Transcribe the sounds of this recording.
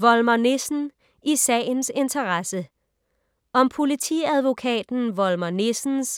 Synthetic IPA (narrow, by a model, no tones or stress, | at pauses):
ʋɒ̽lmɐnesn̩ | isɛ̰ːnse̝nt͡sʰɐʁɑsə | ɒ̽mpʰo̝lit͡sʰḭæð̞ˠʋo̝kʰɛ̰ːd̥n̩ʋɒ̽lmɐne̝sn̩s